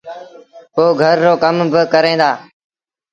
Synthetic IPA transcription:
poːɡʱəɾːoːkəmbɪkəɾẽːd̪aː

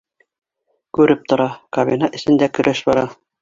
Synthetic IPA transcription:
kʉɾɘp̚t̪ŏɾɑkɐβʲinɑʔɘ̆sɘ̆nd̪ækɵ̆ɾʔæʃbɑɾɑ

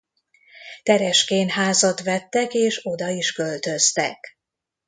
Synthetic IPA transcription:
t̪ɛɾɛʃkeːnɦaːzɒt̪ʋɛt̪ːɛkeːʃo̞d̪ɒiʃkølt̪ø̞st̪ɛ̰k

